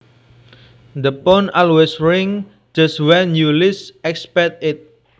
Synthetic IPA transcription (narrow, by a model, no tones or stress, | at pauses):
d̪əpɔnalwɛsɹɪŋ | d͡ʒaswɛnjulɪsɛkspɛk̚t̪ɪt̪̚